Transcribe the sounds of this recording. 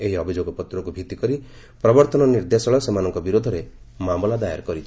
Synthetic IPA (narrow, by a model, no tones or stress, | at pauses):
eɦiɔbʱid͡ʒoɡɔpɔt̪ɾɔkubʱit̪ikɔɾi | pɾɔbɔɾt̪ɔnɔniɾd̪esɔɭɔsemanɔŋkɔbiɾod̪ʱɔɾe | mamɔlad̪aja̰ɾkɔɾit͡ʃʰ